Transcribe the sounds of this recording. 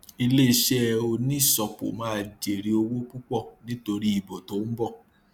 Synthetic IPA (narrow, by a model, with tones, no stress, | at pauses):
i˧le˦i˧ʃɛ˦˧o˧nĩ˦˨sɔ˨k͡po̰˨mãː˦˧˨d͡ʒe˨ɾi˧o˧wo˦k͡pu˦k͡pɔ˦˨nĩ˦to˧ɾi˦i˦˨bo˨to˨˦m̩˦bɔ˦˨